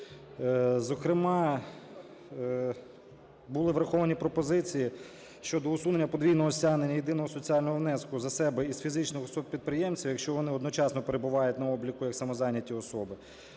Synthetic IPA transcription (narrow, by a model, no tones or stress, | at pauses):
zɔkɾɪmɑ | bulˠɪʋɾɐxɔʋɐnʲipɾɔpɔzɪt͡sʲiji | ʃt͡ʃɔd̪ɔʊsunenʲːɐpɔd̪ʋʲijnɔɦɔsʲɑnenʲːɐjed̪ɪnɔɦɔsɔt͡sʲiɑlʲnɔɦɔʋnɛskʊzɐsɛbɛiz̥fʲizɪt͡ʃnɪxɔsɔb̚pʲid̪̚pɾɪjɛmt͡sʲiwjɐkʃt͡ʃɔʋɔnɪɔd̪nɔt͡ʃɑsnɔpeɾebʊʋɑjʊtʲnɐɔblʲikʊjɐksɐmɔzɑnʲːɐtʲiɔsɔbɪ